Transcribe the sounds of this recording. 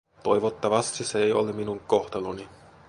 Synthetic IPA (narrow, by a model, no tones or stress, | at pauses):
t̪o̞jʋot̪ːɑʋɑst̪iseejo̰leminuŋkoht̪ɑloni